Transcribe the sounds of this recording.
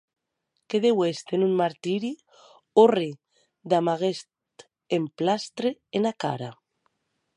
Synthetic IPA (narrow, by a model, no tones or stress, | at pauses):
keðewest̪enunmaɾt̪iɾi | ori | d̪amaɣestt̪ | emplast̪ɾeenaka̰ɾa